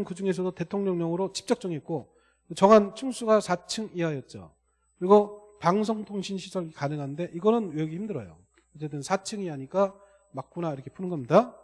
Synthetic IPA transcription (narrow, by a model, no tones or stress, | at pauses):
nkɯd͡ʑuŋe̞sʰʌdote̞tʰoŋɲʌŋɲʌŋɯɾot͡ɕi̥p̚t͡ɕ͈ʌk̚t͡ɕ͈ʌŋɦet̚k͈o | kɯt͡ɕʌŋɦant͡ɕʰuŋsʰuɡasʰat͡ɕʰɯŋiɦajʌt̚t͡ɕ͈o̰ | kɯɾiɡo | paŋs̬ʰʌŋtʰoŋɕʰinɕʰisʰʌɭikanɯŋɦanɯnde̞ʔiɡʌnɯnjeɡiçimdɯɾʌ̰jo̰ | ʌt͡ɕ͈ːe̞t͈ɯnsʰat͡ɕʰɯŋiɦaɲik͈a | mak̚k͈unaiɾʌkʰe̞pʰunɯnɡʌmɲida